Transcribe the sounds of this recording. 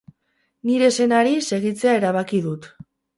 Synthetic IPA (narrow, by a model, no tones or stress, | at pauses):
niɾe̞se̞naɾise̞ɣ̞it͡se̞ae̞ɾaβ̞akiðut̪